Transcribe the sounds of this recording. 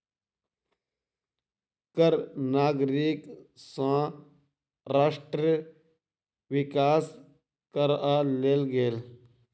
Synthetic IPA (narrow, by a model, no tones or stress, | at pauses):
kəɾnaːɡɾiksãː | ɾaːʂʈɾə | ʋɪkaːs | kəɾaːleːlɡeːl